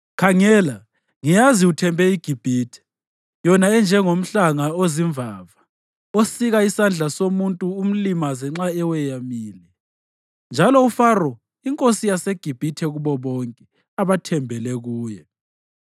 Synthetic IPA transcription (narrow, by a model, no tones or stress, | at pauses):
kʰaŋɛːla | ŋijaziutʰɛmbʱɛiɡ̥ʱib̥ʱiːtʰɛ̥ | jɔnaɛnd͡ʒʱɛŋom̩ɬaŋaoziɱvʱaːva | osiɣaisand͡ɮʱasomuntʼuum̩limazɛŋ͡ǁaɛwɛjamiːlɛ | nd͡ʒʱalɔufarɔ | iŋkʼosijaseɡ̥ʱib̥ʱitʰɛɣuβɔβɔŋkʼɛ | aβatʰɛmbʱɛlɛɣuːjɛ